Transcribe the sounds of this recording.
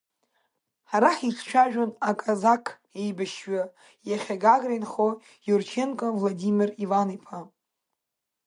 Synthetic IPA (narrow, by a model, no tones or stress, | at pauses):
ħaɾaħit͡ʃʰt͡ʃʷʰaʒᶣonakʼazakʰʼjejbaʃɥa | jaχʲaɡaɡrajnχo | jort͡ʃʰenkʼavladimʲirivanipʰa